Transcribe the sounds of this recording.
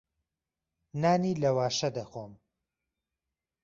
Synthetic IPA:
naːniːlɐwaːʃɐd̪ɐxom

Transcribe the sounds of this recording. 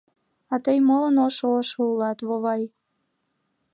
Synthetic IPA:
ɑt̪əjmolənoʃooʃoulɑt̪βoβɑj

